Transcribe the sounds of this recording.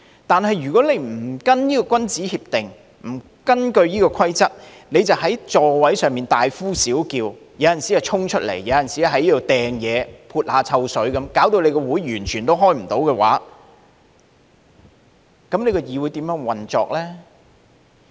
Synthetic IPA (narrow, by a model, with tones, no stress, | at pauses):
t̪aː˨nɦɐ˨jɥyː˨˩kɔː˨˥le˨˧jm̩˨˩kɐ˥njiː˥kɔː˧kʷwɐ˥nt͡siː˨˥hiː˧p̚t̪ɪ˨ŋ | m̩˨˩ | kɐ˥nkɵ˧ɥjiː˥kɔː˧kʷʰɐ˥jt͡sɐ˥t̚ | ne˨˧jt͡sɐ˨wɦɐ˨˥jt͡ʃt͡sɔː˨˧wɐ˨˥jsœː˨ŋmiː˨nt̪aː˨jfuː˥siː˨˥wkiː˧w | jɐ˨˧jɐ˨˩nsiː˨˥jɐ˨t͡ʃʰʊ˥ŋt͡ʃʰɵ˥t̚lḛ˨˩jːɐ˨˧wjɐ˨nsiː˨˥ja˨˧ɦɐ˨˥jiː˥d̪ɔ˨˧t̪ɛː˨ŋjɛː˨˧pʰuː˧t̚haː˨˧t͡sʰɐ˧wsɵ˨˥ɥkɐ˨˧˥mkaː˨˥wt̪o˧wle˨˧jkɔː˧wuː˨˥jjyː˨˩nt͡ʃʰyː˨˩nt̪o˥wɦɔː˥jm̩˨˩t̪o˨˥wkɛ˧wa̰ː˨˥ | kɐ˨˥mne˨˧jkɔ˧jiː˨wu˨˧jt̪iː˨˥mjœː˨˥ŋwɐ˨nt͡sɔ̰ː˨˧k̚lɛː˥